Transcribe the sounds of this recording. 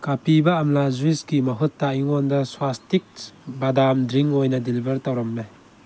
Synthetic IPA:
kapibɐːmlazuisɡimɐɦutːaiŋɔndɐswastik̚badamdɾiŋojnɐdilibʱɐɾtawɾɐmlaj

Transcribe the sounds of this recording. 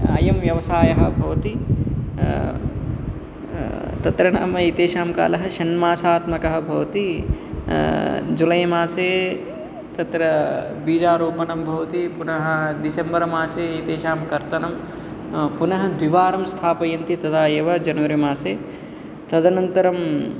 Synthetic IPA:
ɐ̰jɐmʋjɐʋɐsaːjɐɦɐ̆bʱɐʋɐt̪i | t̪ɐt̪ɾɐɳa̰ːmɐit̪eːʃaːmka̰ːlɐɦɐʃɐnmaːsaːt̪mɐkɐɦɐ̆bʱɐʋɐt̪i | d͡ʒulɐjɐmaːseː | t̪ɐt̪ɾɐ | biːd͡ʒaːɾoːpɐnɐmbʱɐʋɐt̪ipunɐɦɐ̆d̪isembɐɾɐmaːseːit̪eːʃaːmkɐɾt̪ɐnɐm | punɐɦɐ̆d̪ʋiʋaːɾɐmst̪ʰaːpɐjɐnt̪it̪ɐd̪aːjeːʋɐd͡ʒɐnɐʋɐɾimaːseː | t̪ɐd̪ɐnɐnt̪ɐɾɐm

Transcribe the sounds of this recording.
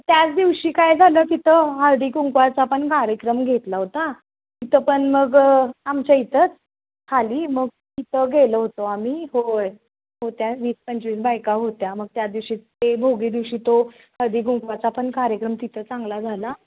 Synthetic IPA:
t̪jat͡sd̪iʋɕiːkajd͡zʱaləːkit̪ʰəɦəɭɖ̪iːɡuŋkʋat͡sapəɳkaɾjəkɾəmɡʱet̪laɦot̪a | it̪əpəɳməɡamt͡ɕait̪ət͡s | kʰaliːməɡ̚ | it̪ʰəɡʱeləɦot̪oamiːɦoj | ɦot̪jaʋiːspəɲt͡ɕʋiːs̬bajkaɦot̪jaməɡ̚t̪jad̪iʋɕiːt̪ebʱoɡiːd̪iʋɕiːt̪o | həɭɖ̪iːɡuŋkʋat͡saːpəɳkaɾjəkɾəmt̪it̪ʰət͡sãŋɡlad͡zʱala

